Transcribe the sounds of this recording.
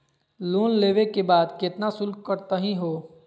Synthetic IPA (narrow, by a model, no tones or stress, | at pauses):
luːnleːʋekebaːd̪kɪt̪nasʊlkkəɾt̪aɦĩɦoː